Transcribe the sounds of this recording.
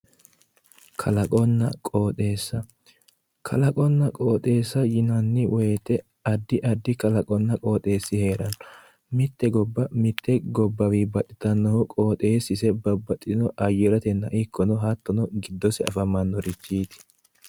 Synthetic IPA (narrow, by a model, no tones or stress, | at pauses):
kʰɐlɐkʼɔnːɐkʼo̞ːt̪ʼe̞ːsːɐ | kʰɐlɐkʼɔnːɐkʼo̞ːt̪ʼe̞ːsːɐjɪnɐnːɪwɔjɛt̪ɛ | ɐd̪ːɪʔɐd̪ːɪkɐlɐkʼɔnːɐkʼo̞ːt̪ʼe̞ːsːɪhe̞ːɾɐnɔ | mɪt̪ːɛɡɔbːɐmɪt̪ʰːɛɡɔbːɐwibɐt̪ʼːɪt̪ɐnːɐʊkʼo̞ːt̪ʼe̞ːsːɪsɛbɐbːɐt̪ʼːɪnɔʔɐjɔɾɐt̪ɛnːɐʔɪkʰːɔnɔɦɐt̪ːɔnɔɡɪd̪ːɔsɛɐ̰fɐmɐnːɔɾɪt͡ʃːiːt̪ɪ̥